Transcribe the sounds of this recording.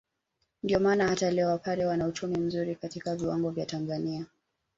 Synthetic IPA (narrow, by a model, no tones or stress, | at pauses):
ndiɔmaːnahatalɛwapaɾɛwanaut͡ʃumim̩zuɾikatikaviwaŋɡɔvjatanzania